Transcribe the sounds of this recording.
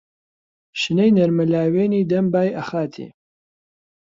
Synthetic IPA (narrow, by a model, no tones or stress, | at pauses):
ʃɨnejnɐɾmɐlaːweːniːd̪ɐmbaːjʔɐxaːt̪ʰḭ